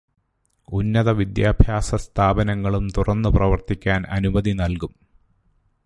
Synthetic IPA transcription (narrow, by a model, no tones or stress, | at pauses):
unːɐðɐʋid̪jaːbʱjaːsɐst̪ʰaːbɐnɐŋːɐɭumt̪urɐnːɨprɐʋɐrt̪ikʲːaːnɐ̰nubɐðinɐlkum